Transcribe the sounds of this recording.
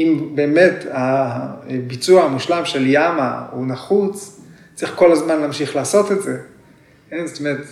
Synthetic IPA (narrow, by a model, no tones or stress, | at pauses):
imbe̞ːme̞ta | bit͡suahamuʃlamʃe̞ljama̰unaχut͡s | t͡sʁiχko̞lazmanlaːmʃiχlaːso̞t̪etze̞ | kenzet̪omeet̪